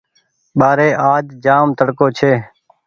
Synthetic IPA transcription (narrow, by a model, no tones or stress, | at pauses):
ɓaːɾeːʔaːd͡ʒd͡ʒaːmt̪əɽkoːt͡ʃʰeː